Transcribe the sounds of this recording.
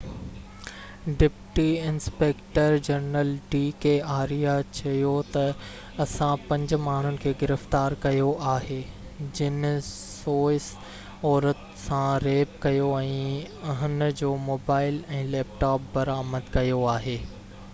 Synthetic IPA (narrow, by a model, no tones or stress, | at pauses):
ɖɪpʈiɪ̃nspeːkʈəɾd͡ʑɐɾnəlɖiːkeːaːɾijat͡ɕɐjot̪ɐ | ɐsãpɐ̃ɲd͡ʑʊ̆maːɳ̤ʊnɪ̆kʰeːɡɪɾɪft̪aːɾkɐjoʔaːɦeː | d͡ʑɪn | soːɪs | ɔːɾət̪ | sãɾeːp̚kɐjoɛ̃ːɐɦɪn̆d͡ʑoːmoːbaːɪlɛ̃ːlɛːp̚ʈaːp̚bɐɾaːməd̪kɐjoaːɦeː